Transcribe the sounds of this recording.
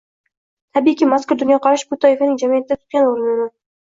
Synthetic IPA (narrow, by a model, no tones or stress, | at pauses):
t̪ʰabikʲimaskʊɾd̪ʊnjɒqʰɑɾaʃbʊt̪ʰɒjɪfanɪŋd͡ʒamijat̪ɪd̪at̪ʰʊ̥t̪̚kʲanoɾɪnɪnɪ